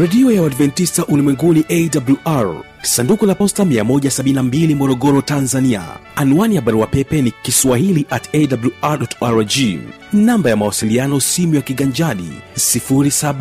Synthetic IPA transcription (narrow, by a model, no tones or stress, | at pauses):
ɾɛɗiɔjawadvɛntistaʔulimwɛŋɡuniʔɛdabuluʔaɾ | sandukulapɔstamiamɔʄasaɓininambilimɔɾɔɡɔɾɔtanzania̰anwaniaɓaɾuwapɛpɛnikiswaɦiliʔatɛdabluʔaɾɗɔtaɾd͡ʒi | nambajamawasilianɔsimujakiɡaɲd͡ʒaɗḭsifuɾisaɓ